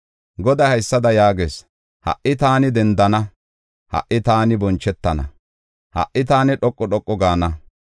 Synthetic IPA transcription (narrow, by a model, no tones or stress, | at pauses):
ɡɔd̪ɐhɐjsːɐd̪ɐjaːɡḛːs | hɐ̰ʔʔːɪt̪aːnɪd̪ɛnd̪ɐnɐ | hɐ̰ʔɪt̪aːnɪbɔnt͡ʃːɛt̪ːɐnɐ̰ | hɐ̰ʔːɪt̪aːnɪᶑɔkʼːɔɗɔkʼːɔɡaːnɐ